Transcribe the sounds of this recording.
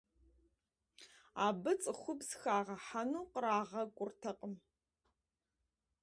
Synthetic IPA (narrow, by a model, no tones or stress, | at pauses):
aːbɨt͡sʼɨxʷʊbsxaːʁɐħanuːqɾaːʁɐkʷʼʊrtʰɐqʼəm